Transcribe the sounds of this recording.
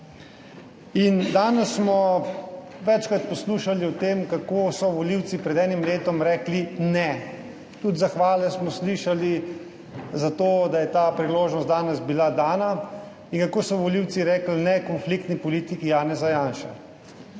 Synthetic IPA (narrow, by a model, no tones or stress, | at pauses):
ind̪aːnɛsːmɔ | ʋɛt͡ʃkɾat̪̚pɔsluːʃaliɔt̪eːmkakoːsɔʋɔliwt̪sipɾɛd̪ɛːnimleːt̪ɔmɾɛːklinɛ | t̪ud̪zaxʋaːlɛsmɔsliːʃali | zat̪oːd̪ajɛt̪apɾiloːʒnɔst̪d̪aːnɛzbilad̪aːna | inkakoːsɔʋɔliːwt̪siɾɛːklnɛkɔnflik̚t̪nipɔliːt̪ikijaːnɛzajaːnʃa̰